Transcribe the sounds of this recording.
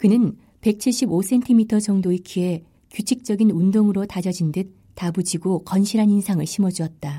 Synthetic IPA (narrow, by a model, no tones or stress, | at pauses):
kɯnɯn | pe̞k̚t͡ɕʰiɭɕ͈ibos͈ʰe̞ntʰimitʰʌt͡ɕʌŋdoikʰie̞ | kjut͡ɕʰik̚t͡ɕ͈ʌɡinundoŋɯɾotad͡ʑʌd͡ʑindɯt̚ | tabud͡ʑiɡokʌnɕʰiɾɦaninsʰaŋɯɭɕʰimʌd͡ʑuʌt̚t͈a